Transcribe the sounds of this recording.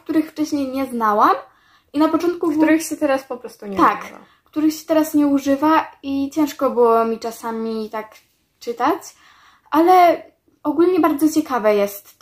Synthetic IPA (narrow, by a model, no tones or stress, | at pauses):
k̚t̪uɾɘxft͡ʂɛɕɲejɲɛznawam | inapɔt͡ʂɔnt̪̚kukb̪uɾɪxɕɛt̪ɛɾaspɔpɾɔst̪uɲaka̰ | kt̪uɾɘxɕɛ̥t̪ɛɾasɲɛuʐɘvait͡ɕɛ̃w̃ʂkɔbɘwɔmʲit͡ʂasamʲit̪ak | t͡ʂɘt̪at͡ɕ | ʔalɛ | ɔɡulɲɛbaɾd̪zɔt͡ɕɛkavɛjɛst̪